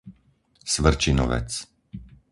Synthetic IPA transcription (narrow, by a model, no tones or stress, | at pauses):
sʋr̩t͡ʃinɔ̰ʋɛ̰t͡s